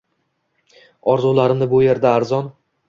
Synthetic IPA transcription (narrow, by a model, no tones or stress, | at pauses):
ɒɾzulˠaɾɪmnɪbʊje̞ɾd̪aːɾzɒn